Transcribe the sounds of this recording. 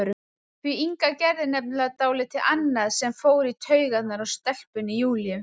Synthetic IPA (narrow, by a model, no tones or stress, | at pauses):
ɾʏ | θviiŋkacɛɾðɪnɛp̚nɪlaðt̪aːwlɪt̪ʰɪlʔanːaðsɛmfoːwɾit̪ʰœɥɣat̪naɾawst̪ɛl̥pʏnijuːlijʏm